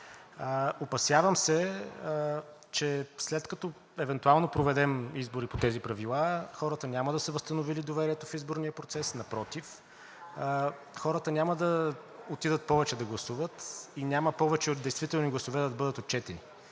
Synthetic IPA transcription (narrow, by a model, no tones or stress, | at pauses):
əopɐsjavəmsɛ | t͡ʃɛslɛt̪kɐt̪ɔ | ɛvɛnt̪ualˠnopɾovɛd̪ɛmizboɾipot̪ɛzipɾɐvilˠaxɔɾət̪ənʲaməd̪ɐsɛvəst̪ɐnovilid̪ovɛɾiɛt̪ofizboɾnijəpɾot̪sɛsnɐpɾɔt̪if | xɔɾət̪ənʲaməd̪ɐ | ot̪id̪ət̪̚pɔvɛt͡ʃɛd̪ɐɡlˠɐsuvət̪inʲaməpɔvɛt͡ʃɛot̪d̪ɛjst̪vit̪ɛlˠniɡlˠɐsovɛd̪əɐd̪ɐbɤd̪ət̪ot̪̚t͡ʃɛt̪ɛni